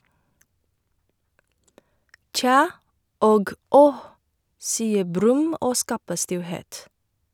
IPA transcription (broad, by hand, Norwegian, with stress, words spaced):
ˈc͡çɑː ˈoːɡ ˈɔh ˈsiːə ˈbɾʉm ˈoː ˈskɑːpə ˈstɪlˌheːt